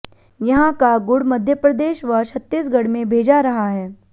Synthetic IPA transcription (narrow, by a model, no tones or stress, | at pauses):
jɐɦãkaɡʊɽmɐd̪ʱjəpɾɐd̪eːʃʋɐʃʰɐt̪ːiːsɡɐɽmẽbʱeːd͡ʒaɾɐɦaɦɛː